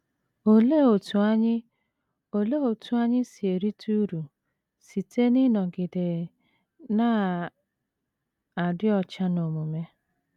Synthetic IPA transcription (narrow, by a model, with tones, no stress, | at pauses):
o˨le˦o˨tu˨˦ɲ˦ | o˨le˦o˨tu˦a˦ɲɪ˦si˨e˨ɾi˦tʰu˦ɾu˨ | si˨tʰe˦nɪ˦nɔ˨ɡɪ˨de˨ | na˦ | a˨dɪ˦ɔ˨t͡ʃa˦no˨mu˨me˦